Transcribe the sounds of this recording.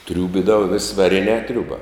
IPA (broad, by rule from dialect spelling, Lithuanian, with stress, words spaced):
ˈtʲrʲuːbʲɪdɐʋɐ ʋʲeːsʲ ʋɐˈrʲɪnʲɛː ˈtʲrʲuːbɐ